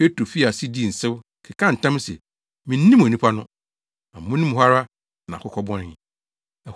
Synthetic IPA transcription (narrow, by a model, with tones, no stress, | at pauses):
pe˦tɾu˨fi˦a˨si˦di˦˨n̩˨sɛ˦w | kʰɪ˨kʰã˦n̩˨tʰã˦m˦sɛ̰˨ | mĩ˨n̩˦nĩ˦m˦ɔ̃˨nĩ˦pʰa˦nʊ̃˦ | ã˨m̩˨mʊ̃˦nĩ˦m˦ɦa˦ɾa˦ | nã̰˨kʊ˦kʰɔ˦bɔ̃˦n˦˨ | ɛ˨